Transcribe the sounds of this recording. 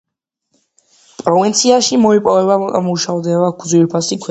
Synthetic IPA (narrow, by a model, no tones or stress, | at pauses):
pʼɾɔvint̪sʰiaʃimɔipʼɔvɛbamuʃavd̪ɛbaɡd̪zwilpʰasikʰwɛ